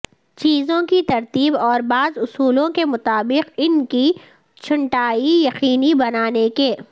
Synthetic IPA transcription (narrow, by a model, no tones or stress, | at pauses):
t͡ʃiːzõkit̪ɐɾt̪iːbɔːɾbaːzʊsuːlõkemʊt̪aːbɪqɪnki | t͡ʃʰʊɳʈaːijɐqiːnibɐnaːnekeː